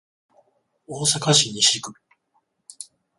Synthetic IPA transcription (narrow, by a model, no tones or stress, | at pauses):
oːsakaɕiɲ̟ːiɕikɯ̟